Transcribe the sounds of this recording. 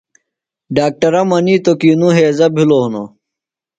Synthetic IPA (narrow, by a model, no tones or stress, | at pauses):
ɖaːk̚ʈɐɾɐmɐniːt̪okiːnuɦeːzɐbʱiloɦno̰